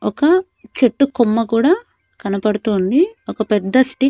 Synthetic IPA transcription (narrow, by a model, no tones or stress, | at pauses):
ɔkɐ | t͡ʃeʈːukumːɐkuːɽaː | kɐnɐpɐɽut̪und̪iɔkɐpɛd̪ːɐsʈi